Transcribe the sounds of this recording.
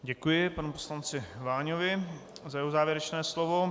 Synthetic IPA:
ɟɛkujɪpanupo̥slant͡sɪvaːɲovɪ | zajɛɦozaːvjɛɾɛt͡ʃnɛːslovo

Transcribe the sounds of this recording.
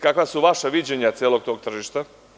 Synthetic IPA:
kakʋasuʋaʃaʋid͡ʑeɲat̪sjeːlˠoɡ̚t̪o̞ːɡ̚t̪r̩ʒiʃt̪a

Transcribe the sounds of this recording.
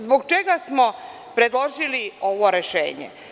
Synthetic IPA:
zboɡt͡ʃeɡasmo̞ | pɾe̞d̪lˠo̞ʒilioʋo̞ɾe̞ʃḛːɲḛ

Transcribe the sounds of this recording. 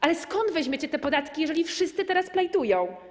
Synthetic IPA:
ʔalɛskɔnd̪vɛʑmʲet͡ɕɛt̪ɛpɔd̪at̪kʲijɛʐɛlʲifʂɘst̪sɘt̪ɛɾasplajt̪ujɔ̃w̃

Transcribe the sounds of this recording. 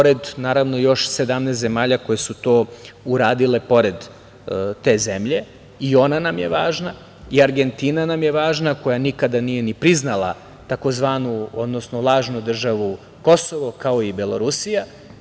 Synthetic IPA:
poɾe̞d̪naːɾaʋno̞jo̞ʃse̞d̪amnest̪ze̞maːʎako̞jesut̪o̞ːuɾaːd̪ile̞po̞ɾe̞d̪ | t̪e̞ːzemʎe | io̞nanamjeʋaːʒna | iaɾɡe̞nt̪iːnanamje̞ʋaːʒnako̞janikad̪anije̞nipɾiznalˠa̰ | t̪ako̞zʋaːnuo̞d̪no̞snolˠaːʒnud̪r̩ʒaʋu | ko̞so̞ʋo̞kao̞ibelo̞̰ɾusija

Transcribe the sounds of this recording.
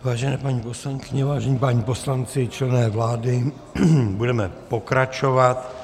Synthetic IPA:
vaːʒɛnɛːpaɲiːpo̞slaŋkɪɲɛvaːʒɛɲiːpaɲiːposlant͡sɪt͡ʃlɛnɛːvlaːdɪ | budɛmɛpo̞kɾat͡ʃo̞vat̪

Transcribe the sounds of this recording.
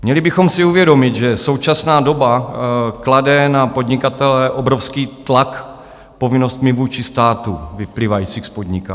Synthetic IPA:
mɲɛlɪbɪxo̞msɪuvjɛdo̞mɪt̪ʒɛso̞wt͡ʃasnaːdo̞bakladɛnapo̞d̪ɲɪkat̪ɛlɛʔobɾofskiːt̪lak | po̞vɪno̞st̪mɪvuːt͡ʃɪst̪aːt̪uvɪpliːvajit͡sixspod̪ɲɪka̰

